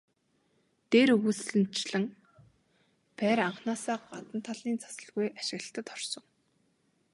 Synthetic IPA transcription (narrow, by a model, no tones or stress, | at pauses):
t̪eːɾɵɣusɮɘ̆n̥t͡ɕɮɘ̆ŋ | pæːɾaɴχnaːsaːɢat̪ə̆n̥t̪ʰːaɮiːnt͡sʰḁsə̆ɮɣujaʃɪ̆ɣə̆ɬt̪ə̆t̪χɔrsɞ̆ŋ